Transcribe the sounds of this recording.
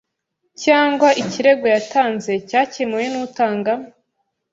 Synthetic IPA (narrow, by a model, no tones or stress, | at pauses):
caːŋɡwaʔiciɾe̞ɡojataːnze̞caːcemujenutaːŋɡam